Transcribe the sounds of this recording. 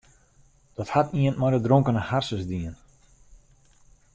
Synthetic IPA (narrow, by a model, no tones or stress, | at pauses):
d̥ɔthatiənmɔjdədroŋkənəharsəsdiən